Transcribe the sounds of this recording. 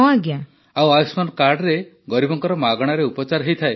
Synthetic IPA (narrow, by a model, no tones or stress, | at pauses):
ɔ̃aɡja | awajusmankaɾɖɾe | ɡɔɾibɔŋkɔɾɔmaɡɔɽ̃aɾeupɔt͡ʃaɾɦejt̪ʰae